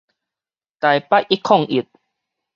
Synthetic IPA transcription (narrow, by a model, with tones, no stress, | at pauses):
t̪a˨jpa˦ʔʔi˦˥kʰːɔ˥˨ŋʔi˨˩t̪̚